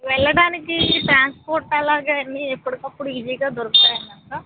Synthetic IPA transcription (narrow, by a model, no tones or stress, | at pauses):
ʋɛɭːɐɽaːnikiʈɾaːnspoːɾʈɐlaːɡaːɐnːiɛpːɐɽikɐpːuɽuʋid͡ʒɐjɡaːd̪ɔɾɐkt̪aːjɐnːɐka